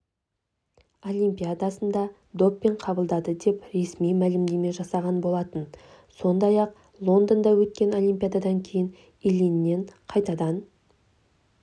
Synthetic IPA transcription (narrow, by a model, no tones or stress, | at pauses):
o̞lʲimpʲijad̪asənd̪ɑ | d̪o̞pːe̞ɴqʰɑbəlˠd̪ɑd̪əd̪e̞pɾe̞smijmælɪmd̪e̞me̞ʒɑsɑʁɑnbo̞lˠɑt̪ən | so̞nd̪ɑjɑq̚ | lˠo̞nd̪ənd̪ɑwɵt̪kʲe̞no̞lʲˠimʲpʲijad̪ad̪ɑŋkʲʰe̞jɪn | elinːe̞ɴqʰɑjt̪ɑd̪ɑn